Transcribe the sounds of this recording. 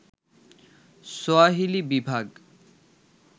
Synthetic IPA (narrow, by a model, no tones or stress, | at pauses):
soaɦilibibʱaɡ